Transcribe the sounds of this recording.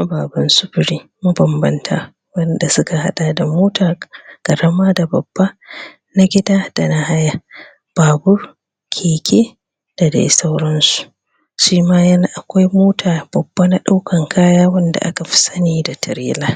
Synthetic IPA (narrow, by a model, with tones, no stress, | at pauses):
ma˦baː˨bɐ˦nsʊ˦bɪ˨ɾiː˦ | mu˦bɐ˨mbɐ˦ntʰa̰ː˨ | wɐ˦nda˨sʊ˦ka˨ha˦ɗa˨da˨moː˦tʰaː˨kɐ˨ɽɐ˦maː˦da˨bɐ˨bːa˦ | na˦ɡʲɪ˦daː˦d̥a˨na˦ha˦ja˦ | b̥aː˨bʊ˦r | kʲʰeː˨kʲʰeː˦ | d̥a˨dḛ˨˦sa˦wɾɔ˦nsu̥˨ | ʃiː˦maː˦jɐ˦na˦˨ʔa˨kʷa˦jmoː˦tʰaː˨b̥ɐ˨bːa˦na˦ɗa˦wkʰɐ˨ŋkʰaː˦jaː˦wɐ˦nda̰˨ʔa˦ka˨ɸɪ̥˦sɐ˦niː˨da˨tʰɐ˨ɾeː˦laː˦